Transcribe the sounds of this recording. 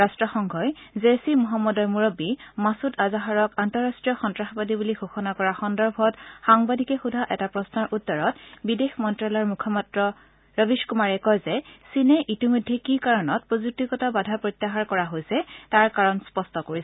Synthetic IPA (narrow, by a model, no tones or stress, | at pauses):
ɹastɹɔxɔŋɡʱɔjzesimɔɦamːɔdɔɹmuɹobimasutazaɦaɹɔkantɔɹastɹijɔxɔntɹaxbadibuliɡʱoxɔnakɔɹaxɔndɔɹbʱɔtxaŋbadʱikɛxudʱaʔɛtapɹɔsnɔɹʔutːɔɹɔtbidexmɔntɹalɔɹmukʰɔmatɹɔ | ɹɔbiʃkumaɹɛkɔjzɛsinɛʔitimɔjdʱːekikaɹɔnɔt̚pɹozuk̚tikɔtabadʱapɹotːaxaɹkɔɹaɦojsɛtaɹkaɹɔnspɔstɔkoɹisɛ